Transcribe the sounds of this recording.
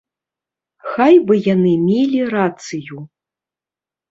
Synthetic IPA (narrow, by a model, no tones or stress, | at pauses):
xajbɨjanɨmʲelʲirat̪sɨju